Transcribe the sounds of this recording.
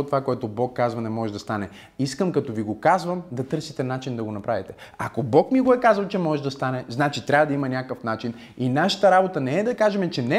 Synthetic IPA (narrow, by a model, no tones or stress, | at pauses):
ot̪ːovakoɛt̪obɔkːazvɐnɛmɔʒɛd̪ɐst̪anɛ | iskəmkɐt̪ɔviɡokazvəmd̪ɐt̪ɤɾsit̪ɛnat͡ʃind̪ɐɡonɐpɾavit̪ɛakobɔkmiɡoɛkazɐlˠt͡ʃɛmɔʒɛʒd̪ɐst̪anɛznat͡ʃit̪ɾʲavəd̪ɐimɐnʲakəfnat͡ʃin | inaʃə̥t̪əɾabot̪ənɛɛd̪ɐkaʒɛmɛt͡ʃɛnɛ